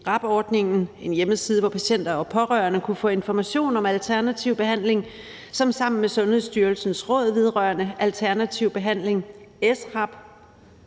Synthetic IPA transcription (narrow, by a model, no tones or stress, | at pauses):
ʁɑ̈b̥ɒːd̥ne̝ŋn̩e̝njeməsið̞ˠʋɒpʰæɕen̰d̥ɐɒpʰɒ̽ʁœːɐnəkʰufɔ̰̽ːe̝nfɒmæɕo̝̰ːnɒ̽mælt͡sʰæɐnæt͡sʰiʊb̥e̝ɦæn̰le̝ŋ | sɒ̽msɑ̈m̰n̩mesɔ̽nhe̝ðˠsd̥yːɐlsn̩sʁɔ̽ð̞̰ˠʋe̝ð̞ˠʁɶːɐnəælt͡sʰæɐnæt͡sʰiʊ̰b̥e̝ɦæn̰le̝ŋesʁɑ̈b̥